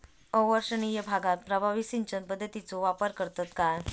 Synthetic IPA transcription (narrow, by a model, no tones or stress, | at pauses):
əʋəɾsənijəbʱaɡat̪̚pɾəbʱaʋisint͡ɕənpəd̪ʱːət̪it͡soʋapəɾkəɾt̪at̪kaj